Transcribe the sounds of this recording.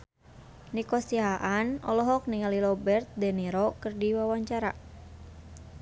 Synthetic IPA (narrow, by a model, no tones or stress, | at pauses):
nikɔsiaʔanɔlɔɦɔk̚niŋalilɔbɛrt̪̚dɛniɾɔkɨrdiwawaɲt͡ʃaɾa̰